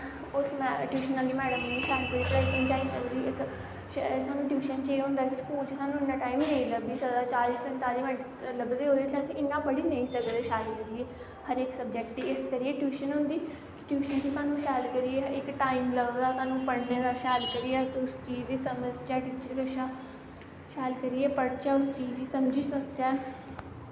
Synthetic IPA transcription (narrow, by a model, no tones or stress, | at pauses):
ʊsmɛʈjuːʃənaːliːmɛːɽəmnĩːʃaːlkəɾiːpɾɛsənt͡ʃaːiːsəkd̪iːɪk | ʃsaːnũːʈjuːʃənt͡ʃeːɦʊ̃ːnd̪aːɪkskuːlt͡ʃesaːnũːɪnːãːʈaːimnəĩləbiːsəd̪aːt͡ʃaːlɪspə̃nt̪aːliːʋɛ̃ɳʈ | ləbd̪eːɦoːd̪eːt͡ʃãːəsĩːʔɪnːãːpəɽiːnə̃ĩːsəkd̪eːʃaːlkəɾieː | həɾeːksəb̚d͡ʒɛːkʈːiːɪskəɾieʈjuːʃənɦʊ̃nd̪iː | kɪʈjuːʃənt͡ʃəsaːnũːʃaːlkəɾiːeːɪkʈaːimləbd̪aːsaːnũːpəɽneːd̪aːʃaːlkəɾiɛːʊst͡ʃiːziːsəməd͡ʒt͡ʃɛːʈuːt͡ʃəɾkəʃaː | ʃaːlkəɾiːɛːpəɽt͡ʃɛːʊst͡ʃiːziːsəmd͡ʒiːsək̚t͡ʃɛː